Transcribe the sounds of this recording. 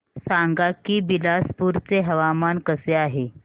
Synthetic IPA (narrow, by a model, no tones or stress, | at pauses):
saŋɡakiːbilaspuɾt͡seɦəʋamankəseaɦe